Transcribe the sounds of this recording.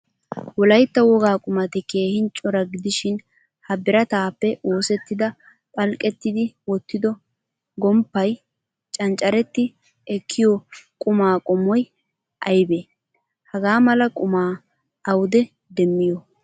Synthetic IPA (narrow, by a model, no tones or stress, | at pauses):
wɔlɐjt̪ːɐwɔɡaːkʼʊmɐt̪ɪkeːhɪnt͡ʃʼɔɾɐɡɪd̪ɪʃɪn | hɐbɪɾɐt̪aːpːɛʔo̞ːsɛt̪ːɪd̪ɐ | pʼɐlkʼːɛt̪ːɪd̪ɪwɔt̪ːɪd̪ɔ | ɡɔmpːɐj | t͡ʃʼɐnt͡ʃʼːɐɾɛt̪ːɪ | ɛkʰːɪjɔkʼʊmaːkʼɔmɔj | ʔɐjbeː | hɐɡaːmɐlɐkʼʊmaː | ɐwʊd̪ɛ | d̪ɛmːɪjɔ